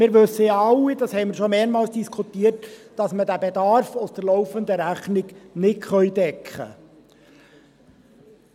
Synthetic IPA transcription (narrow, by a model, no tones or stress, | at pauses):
mɪːɾʋɵsːəjɑlːid̥ɑshɛɪməɾʃɔmeːɾmɑːlsd̥iskʰutiːərtd̥ɑsmədæbed̪ɑɾfʊsd̥̪əɾlɔwfənd̪əɾæχnɪɡnɪkχœjdɛkχə̰